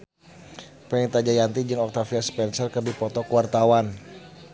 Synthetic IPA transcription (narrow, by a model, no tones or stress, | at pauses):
pɛŋit̪ad͡ʒajant̪id͡ʒɨŋɔk̚t̪afiaspɛnsərkərdipɔt̪ɔkəwart̪awan